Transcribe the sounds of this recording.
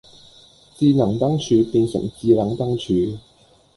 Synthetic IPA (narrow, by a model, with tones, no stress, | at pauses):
t͡siː˧nɐ˨˩ŋt̪ɐ˥ŋt͡ʃʰyː˨˧piː˧nsɵ̰˨˩ŋt͡siː˧la˨˧˥ŋt̪ɐ˥ŋt͡ʃʰyː˨˥